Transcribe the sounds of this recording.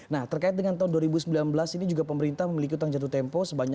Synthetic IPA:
naht̪ərkaɪt̪̚dəŋant̪aunduaɾibusəmbilanbəlasinid͡ʒuɡapəməɾint̪ahməmilik̬iut̪aŋd͡ʒat̪ut̪ɛmpɔsəbaɲ

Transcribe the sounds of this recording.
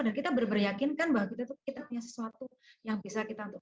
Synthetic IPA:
adankit̪abərbərjakɪnkanbaɦwakit̪at̪ukit̪apuɲasə̥suat̪u | jaŋbisakit̪aunt̪ʊ

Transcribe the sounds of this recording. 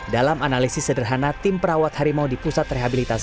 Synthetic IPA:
dalamanalisɪsːədərɦanat̪ɪmpəɾawat̪haɾimodipusat̪reɦabilit̪as

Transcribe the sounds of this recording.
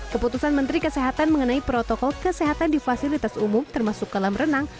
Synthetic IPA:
kəput̪usanmənt̪ɾikəseɦat̪anməŋənaipɾot̪ɔkɔlkəseɦat̪andifasilit̪asumʊmt̪ərmasʊk̚ːalamrənaŋ

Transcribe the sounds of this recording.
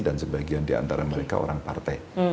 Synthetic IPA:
dansəbaɡiandia̰nt̪aɾaməɾeka̰o̰ɾaŋpart̪ɛ

